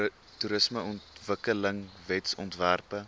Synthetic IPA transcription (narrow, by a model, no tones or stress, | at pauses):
tuɾəsməɔntvəkələŋvɛtsɔ̰ntværpə